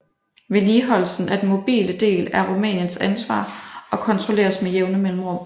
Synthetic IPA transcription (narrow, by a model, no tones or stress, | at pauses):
ʋe̝liːɦɒ̽lsn̩ʔæd̥n̩mo̝b̥ḭːləd̥e̝̰ːlæɐʁumɛ̰ːnjənsænsʋɑ̰̈ːɒ̽kʰɒ̽nt͡sʰʁole̝̰ːɐsmejeʊnəmel̰m̩ʁo̰ː